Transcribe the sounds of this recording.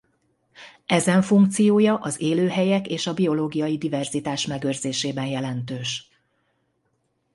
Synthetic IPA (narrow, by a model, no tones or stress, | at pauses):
ɛzɛɱfuŋk̚t̪sijoːjɒʔɒzeːløːɦɛjɛkeːʃɒbio̞loːɡijɒjid̪ivɛrzit̪aːʃmɛɡøːrzeːʃeːbɛnjɛlɛnt̪øːʃ